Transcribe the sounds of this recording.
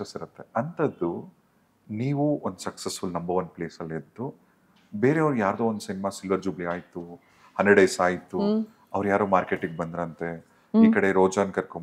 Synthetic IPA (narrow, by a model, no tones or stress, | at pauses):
esiɾɐt̪ːe̞ɐnt̪ɐd̪ːu | niːʋuond̪usɐksesfulnɐmbɐʋɐnd̚pleːsɐlːed̪ːu | be̞ːɾe̞ɐʋɾujaːɾd̪oːond̪usinimaːsilʋɐɾd͡ʒubliaːjit̪ːu | hɐneɽejsaːjit̪ːu | ɐʋɾjaːɾoːmaːɾkeːʈiɡ̚bɐnd̪ɾɐɐnt̪e | iːkɐɽe̞ɾoːd͡ʒɐːnkɐɾkom